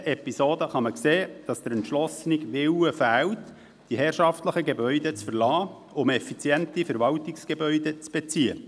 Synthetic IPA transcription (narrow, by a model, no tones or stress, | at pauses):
ʔɛpisoːdəχɑməkseːd̥ɑsd̥̪əɾɛntʃlɔsnɪɡʋɪwəfæːwt | d̥iɦɛːrʃɑftləχəɡebœʏdet͡sfəɾlɑː | ʊmɛfit͡sjɛntifəɾʋɑwtɪksɡ̥ebœʏdet͡sb̥et͡siːə